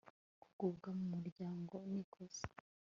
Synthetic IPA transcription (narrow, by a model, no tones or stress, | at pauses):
ku̥ɡ̥ubɡamumuɾɟaːŋɡoniɡ̥oz̥e̥